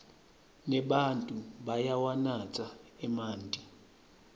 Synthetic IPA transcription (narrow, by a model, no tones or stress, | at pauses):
nɛɓantʼuɓajawanat͡sʼaɛmaːntʼi